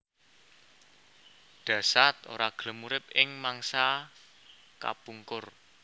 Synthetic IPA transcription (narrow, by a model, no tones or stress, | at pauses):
ɖ̥ä̤sat̪o̰ɾaɡ̥ələmuɾɪp̚ɪŋmaŋsa | ka̰puŋkʊr